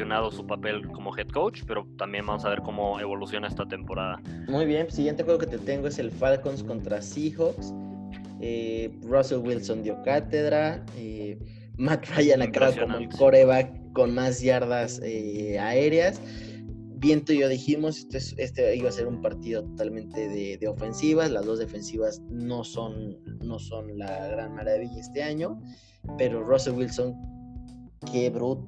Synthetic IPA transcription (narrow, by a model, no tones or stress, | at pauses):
onaðosupapelko̞moxet̪̚kowt͡ʃpeɾot̪ambje̞nbamosaβeɾkomoeβo̞lusjo̞naest̪at̪e̞mpo̞ɾaðamujβje̞nsiɣje̞nt̪exweɣo̞ket̪et̪e̞ŋɡoe̞se̞lfalkonsko̞nt̪ɾasixoks | e | roselwilso̞nd̪jokat̪e̞ð̞ɾae | mat̪rajanakaβaomoko̞ɾeβako̞nmazʝaɾðaseae̞ɾeas | bje̞nt̪oiʝo̞ðiximo̞sest̪oese̞st̪eiβase̞ɾumpaɾt̪iðo̞t̪ot̪almẽ̞nt̪e̞ðeðeo̞fe̞nsiβaslazðo̞zðe̞fe̞nsiβazno̞so̞nːo̞so̞nlaɣɾanmaɾaβiʝae̞st̪e̞aɲo̞ | pe̞ɾo̞ro̞selwilso̞ŋ | kʰe̞βɾut̪